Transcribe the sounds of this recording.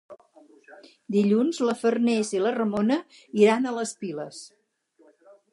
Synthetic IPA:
d̪iʎunzləfərnɛzilərəmonə | iɾanələspiləs

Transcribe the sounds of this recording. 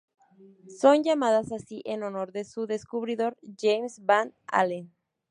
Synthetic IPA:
so̞nd͡ʒamaðasasiʔenono̞ɾðesuðeskuβɾiðo̞ɾʝejmsbana̰len

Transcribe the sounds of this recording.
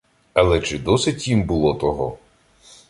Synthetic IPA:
ɐlˠɛt͡ʃɪd̪ɔsɪtʲimbʊlˠɔt̪ɔɦɔ̰

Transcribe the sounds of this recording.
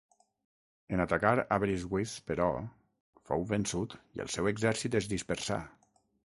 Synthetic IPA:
ənat̪akaɾaβɾizwispəɾɔ | fowβənsut̪iə̰lˠsɛweɡzɛɾsit̪əzðispəɾsa̰

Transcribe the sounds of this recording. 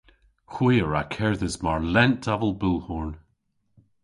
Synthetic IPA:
xwiəɹa̰kʰɛɹðəzmaɹlɛnd̥avəlˠbulˠhɔɹn

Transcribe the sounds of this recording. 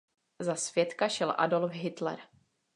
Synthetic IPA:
zasvjɛt̪kaʃɛlʔa̰dolfɦɪt̪lɛ̰ɾ

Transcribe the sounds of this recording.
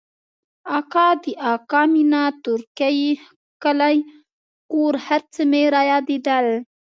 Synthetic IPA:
ɑkɑd̪əʔɑkɑminat̪ʊɾkaji | kəlaj | kuɾhaɾt͡səmeɾajɑd̪id̪al

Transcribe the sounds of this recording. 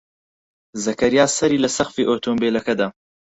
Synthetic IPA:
zɐkɐɾijaːsɐɾiːlɐsɐχfiːʔoːt̪ʰombeːlɐkɐd̪a

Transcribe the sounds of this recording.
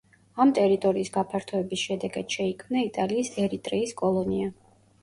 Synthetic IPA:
amt̪ʼɛɾit̪ʼɔɾiːsɡapʰaɾt̪ʰɔɛbisʃɛd̪ɛɡad̪̥ʃɛikʰmnait̪ʼaliːsɛɾit̪ʼɾɛiskʼɔlˠɔnia

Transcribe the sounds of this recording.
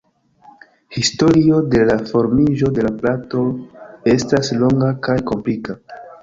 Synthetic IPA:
histo̞ɾio̞de̞lafo̞ɾmiʒo̞de̞laplato̞e̞staslo̞ŋɡakajko̞mplika

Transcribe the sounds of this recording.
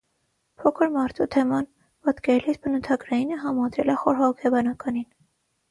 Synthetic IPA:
pʰɔkʰəɾmɑɾt̪ʰut̪ʰɛmɑn | pɑt̪kɛɾlisbənut̪ʰɑɡɾɑjinəɦɑmɑd̪ɾɛləχɔɾɦɔɔkʰɛbɑnɑkɑnin

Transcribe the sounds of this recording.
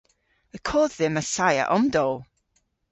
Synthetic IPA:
əkʰoːððɪməsaja̰ʔɔmdɔlˠ

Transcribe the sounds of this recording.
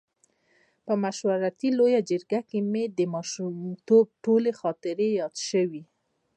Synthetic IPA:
pəmaʃwaɾat̪ilojad͡ʒəɾɡakemed̪əmɑʃumt̪ob̚ʈolexɑt̪ɪɾejɑd̪ʃəwi

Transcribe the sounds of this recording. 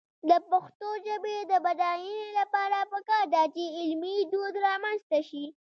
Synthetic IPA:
d̪əpaxt̪od͡ʒabed̪əbad̪ɑjinelapɑɾapəkɑɾd̪at͡ʃeɪlmid̪od̪ɾɑmanzt̪aʃi

